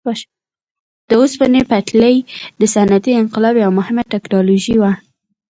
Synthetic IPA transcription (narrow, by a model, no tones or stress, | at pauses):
d̪̥əospənepat̪ləjd̪əsanat̪iɪŋqɪlɑbeawmʊhɪmaʈaknɑloʒiwa